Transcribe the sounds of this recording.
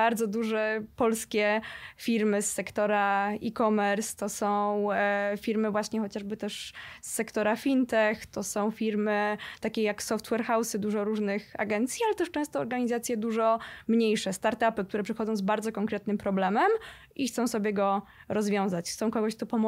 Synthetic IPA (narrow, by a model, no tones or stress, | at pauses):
aɾd̪zɔd̪uʐɛpɔlskʲɛfʲiɾmɘsːɛkt̪ɔɾaikɔmɛɾst̪ɔsɔ̃w̃fʲiɾmɘvwaɕɲɛxɔt͡ɕaʐbɘt̪ɛʂsːɛkt̪ɔɾafʲint̪ɛxt̪ɔsɔ̃w̃fʲiɾmɘt̪akʲɛjaksɔft̪wɛɾxawsɘd̪uʐɔɾuʐnɘxa̰ɡɛnt̪sʲjialɛt̪ɛʂt͡ʂɛ̃st̪ɔːɾɡaɲizat̪sʲjɛd̪uʐɔmɲejʂɛst̪aɾt̪apɘk̚t̪uɾɛpʂɛxɔd̪zɔ̃w̃zbaɾdzɔkɔŋkɾɛt̪̚nɘmpɾɔblɛmɛm | ʔixt̪sɔ̃w̃sɔbʲjɛɡɔɾɔzvʲjɔ̃w̃zat͡ɕxt̪sɔ̃w̃kɔɡɔɕkt̪ɔpɔm